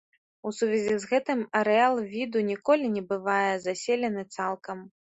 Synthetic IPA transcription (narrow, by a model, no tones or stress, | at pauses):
usuvʲɛzʲizɣɛt̪ɨmɐɾɛalˠvʲid̪unʲikɔlʲinʲɛbɨvajɛzasʲelʲɛnɨt̪salˠkɐm